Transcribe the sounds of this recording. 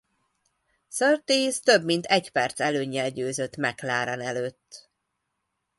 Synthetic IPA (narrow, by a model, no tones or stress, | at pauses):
sørt̪eːst̪ø̞bmint̪ʰɛcpɛrt̪sɛløːɲːɛlɟøːzøt̪ːmɛklaːɾɒnɛløːt̪ː